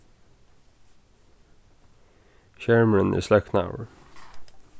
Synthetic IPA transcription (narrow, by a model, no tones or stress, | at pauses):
ʃæɹməɹənʔḭːslɛkna̰ʊəɹ